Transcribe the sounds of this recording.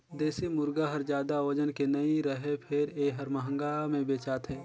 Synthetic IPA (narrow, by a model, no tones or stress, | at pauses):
d̪eːsimʊɾɡaɦɐɾd͡ʒjaːd̪aod͡ʒənkenəiɾɐɦepʰɪɾeːɦɐɾmɐɦə̃ŋɡamẽbeːt͡ʃaːt̪ɦɛː